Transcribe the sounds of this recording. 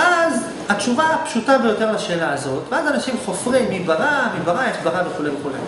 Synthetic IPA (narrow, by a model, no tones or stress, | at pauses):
ʔaz | at̪t͡ʃuvapʃutabejo̞te̞ʁlaʃe̞ːlaːzo̞tveazanaʃimχo̞fʁimibaʁamibaʁaeχbaʁaveχulejveχulej